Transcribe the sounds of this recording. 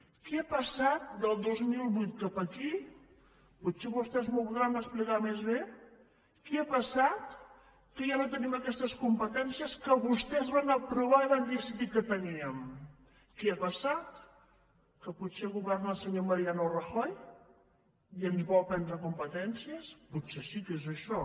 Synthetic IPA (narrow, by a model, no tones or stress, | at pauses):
keapəsat̪̚d̪əlˠd̪ozmilˠβujt̪̚kapəki | put̪seβust̪ɛezmolˠt̪ɣɾanəsplikamezβe | keapəsat̪ | kəʒanot̪əniməkɛst̪əskumpət̪ɛnsijəskəβust̪ɛzβanəpɾuβ̞aiβand̪isiðikət̪əniəm | keapəsat̪ | kəputseɣuβɛrnəlˠsəɲoməɾianurəxɔj | iənzβɔwpɛnd̪ɾəkumpət̪ɛnsiəsputsesikezəʃɔ